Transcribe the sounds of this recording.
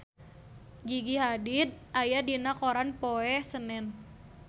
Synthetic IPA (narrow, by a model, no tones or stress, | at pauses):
ɡiɡiɦadid̪̚ʔajadinakoɾanpoɛhsənɛn